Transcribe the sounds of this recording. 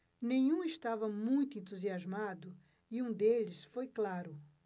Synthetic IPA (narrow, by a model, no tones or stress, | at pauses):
nẽɲ̃ũɪʃt̪avɐmũj̃t̪ʊẽnt̪uziazmad̪ʊ | iũd̪elɪsfojklaɾʊ